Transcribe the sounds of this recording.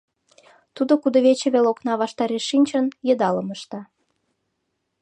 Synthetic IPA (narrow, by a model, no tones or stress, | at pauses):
t̪ud̪okud̪ŏβet͡ɕĕβeloknɑβɑʃt̪ɑɾeʃːinʲt͡ɕənjə̆d̪ɑləməʃt̪ɑ